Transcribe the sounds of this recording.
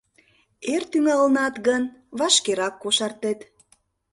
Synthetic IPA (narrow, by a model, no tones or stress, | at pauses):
ert̪yŋɑlənɑt̪ɣənβɑʃkeɾɑkːoʃɑrt̪et̪